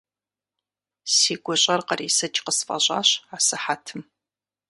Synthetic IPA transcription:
siːɡʷɔɕʼɐrqəriːsɐt͡ʃʼqəsfʼɐ̰ɕʼa̰ːɕaːsɨħatʰɨm

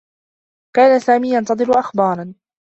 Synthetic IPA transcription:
kaːnasaːmiːjɑnt̪ɑd̪ˤɨɾʊʔaxbɑːɾˤɑn

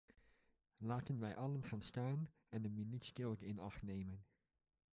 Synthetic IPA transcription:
laːtənʋɛjʔɑlənχaːnstaːn | ɛndəmilitskɪlˠkɪnɑχtnejmən

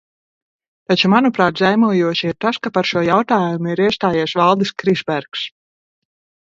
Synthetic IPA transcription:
t̪at͡ʃumanupɾaːt̪zajmuɔjuɔʃiiɾt̪askapaɾʃuɔjawt̪aːjumuiɾiɛst̪aːjiɛsvalˠd̪iskɾizbæɾks

